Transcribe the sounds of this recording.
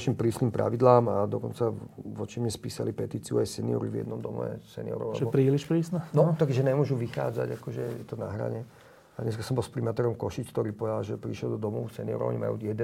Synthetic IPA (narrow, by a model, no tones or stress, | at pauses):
ʃimpɾiːsniːmpɾa̰ʋid̪laːmad̪ɔkɔnt͡saʋɔt͡ʃimɲɛspiːsalipɛt̪iːt͡siuajsɛniɔ̰ɾivjɛ̰d̪nɔmd̪ɔmɛ̰ɛ̰sɛnḭɔ̰ɾɔ̰ʋa̰ɛɔpɾiːliʃpɾiːsnɛnɔt̪akʒɛɲɛmʊɔʒuʋixa̰ːd͡za̰ɟakɔʒɛjɛt̪ɔna̰ɦɾa̰ɲɛ | ad̪ɲɛs̬kasɔmbɔlˠspɾimat̪ɛɾɔmkɔʃit͡ʃkt̪ɔɾiːpɔʋɛd̪alʒɛpɾiʃɛld̪ɔd̪ɔmusɛniɔ̰ɾɔ̰ɔ̰ɲima̰jṵjɛd̪ɛ